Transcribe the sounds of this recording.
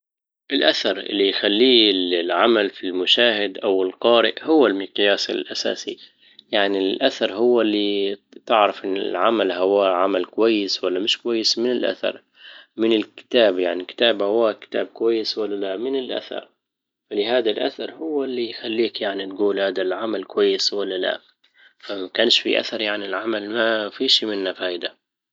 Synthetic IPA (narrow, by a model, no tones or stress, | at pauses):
ʔɪlʔaθɑɾˤʔɪ̰lːijxalːiːlʕamalfilmʊʃaːhɪd̪ʔawɪlqɑːɾɪ̰ʔhʊwːalmɪqjaːsɪ̰lʔasa̰ːsḭ | jaʕnilʔaθɑɾˤhʊwːalːit̪ɪʕɾˤɑfʔɪnːɪ̰lʕamalɦʊwaʕamalkʊwajːɪswalːamɪʃkʊwajːɪsmɪnɪlʔa̰θɑ̰ɾˤ | mɪnɪlkɪ̥t̪aːbjaʕnikɪ̥t̪aːbhawakɪ̥t̪a̰ːb̚kʊwajːɪswalːalamɪnɪlʔa̰θɑ̰ɾˤ | falɪhaːd̪alʔa̰θɑɾˤhʊwːalːijxalːiːkjaʕnit̪ɡuːlhaːd̪alʕamalkʊwajːɪswalːala̰ | famakaːnʃfḭʔa̰θɑɾˤjaʕnilʕamalmafiʃimɪnːafaːɪd̪a